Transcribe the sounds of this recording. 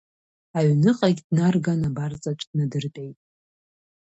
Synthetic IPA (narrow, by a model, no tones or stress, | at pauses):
aɥnɨqʼaɡʲdnarɡanabart͡sʼat͡ʃʷʰʼd̥nadɨrtʼejtʼ